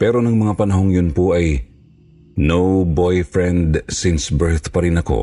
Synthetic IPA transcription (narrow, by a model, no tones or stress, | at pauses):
pɛɾo̞nɐŋmɐŋapɐnɐɦo̞ŋjʊnpoʔɐj | nowbojfɹɛnd̪sinsbɛɹt̪pɐɾɪnɐko̞̰